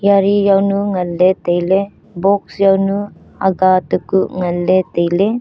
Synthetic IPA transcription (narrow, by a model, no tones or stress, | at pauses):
jaɾijawnuŋɐlːetejle | bɔk̚sjawnu | a̰ɡat̪ukuʔŋɐlːet̪ejle